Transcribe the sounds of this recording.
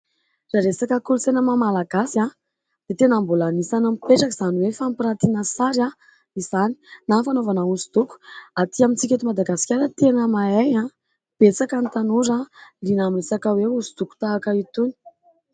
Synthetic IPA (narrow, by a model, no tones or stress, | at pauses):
raɾesakəkulut͡senəmamalaɡasia | d̪̥et̪enambulanisanamipeʈ͡ʂakiz̥aniwefampiɾat̪inasaɾa | izani̥nafanovanausud̪̥uku̥at̪iamint͡sikʲet̪umad̪aɡasi̥kʲaɾət̪enəmaeɲa | b̥et͡sakant̪anuɾalinamiresakəweuzud̪uku̥t̪aːkəit̪uni̥